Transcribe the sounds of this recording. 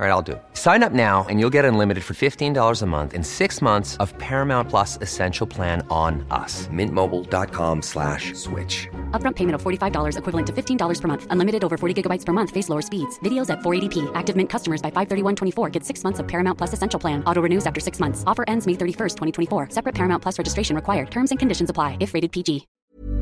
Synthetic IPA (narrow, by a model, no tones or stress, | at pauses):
ɹaɪɾaɪlˠdɨ̰ | sãɪ̃nʌp̚naʊɨ̰̃njulˠɡɛɾɨ̃nlɪ̃mɨɾɨd̥fə˞fɪftʰĩndɔlˠə˞zəmʌ̰̃nθɨ̰̃nsɪksmʌ̃nθsʌv̥pʰɛɹɨmãʊ̃npʰl̥ʌsɨsɛ̃nʃl̩ˠpʰl̥æ̃nə̃nʌ̰smɪ̃nmoʊbl̩ˠdɑ̰t̚kʰɑ̰̃mslæ̰ʃswɪ̰t͡ʃʌpbɹʌ̃mpʰeɪmɨ̃ñtʌv̥fɔɹɾifaɪvdɔlˠə˞zɨkʰwɪvlˠə̃ntʰɨfɪftʰĩndɔlˠə˞z̥pə˞mʌ̃nθə̃nlɪ̃mɨɾɨɾoʊvə˞fɔɹɾiɡɪɡəbaɪtspʰə˞mʌ̃nθfeɪsloʊə˞spidz̥vɪɾioʊzɨtfɔɹeɪɾipʰiʔæk̚tɨvmɪ̃nkʰʌstəmə˞zbaɪfaɪv̥θɜ˞ɾiwʌ̃ntʰwɛ̃ɾ̃ifɔɹɡɛtsɪksmʌ̃nθsʌv̥pʰɛɹɨmãnpʰl̥ʌsɨsɛ̃nʃl̩ˠpʰlæ̃nɔɾoʊɹɨnʉzæftə˞sɪksmʌ̃nθsɔfə˞ʔɛ̃ndzmeɪθɜ˞ɾifɜ˞stʰwɛ̃ɾ̃itʰɛ̃ifɔɹsɛpɹɨt̚pʰɛɹɨmãʊ̃npʰl̥ʌsɹɛd͡ʒɨstɹ̥eɪʃɨ̃n̩ɹɨkʰwaɪə˞d̚tʰɜ̃˞mzɨ̃nkʰɨ̃ndɪʃɨ̃n̩zəpʰl̥aɪɨfɹeɪɾɨd̚pʰid͡ʒi